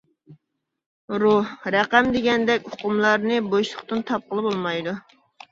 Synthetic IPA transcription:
ɾuhɾɛqæmd̪eɡʲɛnd̪ɛkʲoqʊmlˠɑɾnɨbojʃlˠəχt̪ɨnt̪ʰɑp̚qəlˠɨbolˠmɑjd̪u

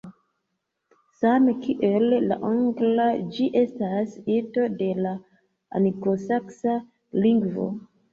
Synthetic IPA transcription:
samekiʔe̞lːa̰ʔoŋɡlad͡ʒiʔe̞stasito̞de̞la | a̰nikosaksa | liŋɡvo̰

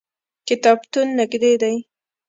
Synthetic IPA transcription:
kɪt̪ɑbt̪unːɪɡd̪ed̪aj

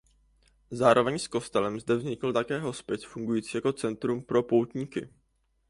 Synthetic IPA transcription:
zaːɾʔo̞vɛɲsko̞st̪ɛlɛmzd̪ɛvzɲɪkl̩t̪akɛːɦo̞spjɛsfuŋɡujiːt͡siːjako̞t͡sɛnt̪ɾumpɾo̞powt̪ɲiːkɪ̰

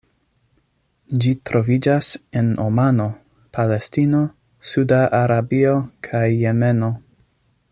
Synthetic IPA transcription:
d͡ʒitɾʔo̞vid͡ʒaseno̰mano̞ | pʰale̞stino̞ | sudaʔaɾabio̞kʰajːe̞me̞no̞

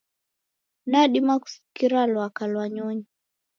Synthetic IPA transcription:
naɗimaku̥si̥kiɾalwakalwaɲɔɲi

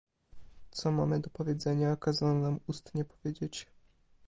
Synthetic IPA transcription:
t̪sɔma̰mɘd̪ɔpɔvʲjeɛd̪zɛɲakazanɔnamust̪ɲɛpɔvʲjed͡ʑet͡ɕ

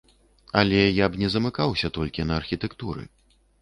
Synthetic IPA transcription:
ɐlʲɛjabnʲɛzɐmɨkawsʲɐt̪ɔlʲkʲinɐːrxʲit̪ɛkt̪uɾɨ̰

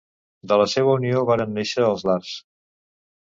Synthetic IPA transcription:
d̪ələseβəunioβaɾənːeʃəːlˠzlars

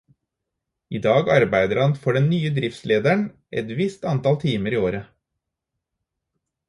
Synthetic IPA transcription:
iːd̪ɑːɡɑɾbæɪd̪əɾhɑnfoːɖɛnnyːəd̪ɾɪft̪sleːd̪æɳ | ʔɛ̰t̪ʋɪst̪ɑnt̪ɑlt̪ʰiːməɾiːoːɾə

